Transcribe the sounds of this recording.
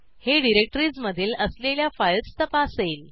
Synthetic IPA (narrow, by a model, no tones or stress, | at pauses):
heɖiɾek̚ʈəɾiːd͡zməd̪ʱiːləsleljafajt͡st̪əpasel